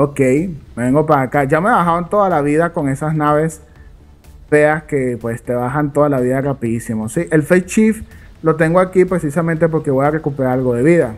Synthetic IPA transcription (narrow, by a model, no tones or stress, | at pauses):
okejme̞βe̞ŋɡo̞paɾakad͡ʒame̞βaxaβont̪o̞ðalaβiðako̞ŋe̞sasnaβe̞s | feaske̞pwe̞st̪e̞βaɦant̪o̞ðalaβiðarapiðisimo̞siʔe̞lfejt͡ʃif | lo̞t̪̬e̞ŋɡoakipɾe̞sisamẽnt̪e̞p̬o̞ɾke̞βo̞jare̞kupe̞ɾaɾalɣo̞ðe̞βiða